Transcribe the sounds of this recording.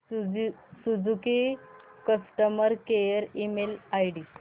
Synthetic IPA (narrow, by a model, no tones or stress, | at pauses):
sud͡zuke | kəsʈəməɾkejəɾimelajɖi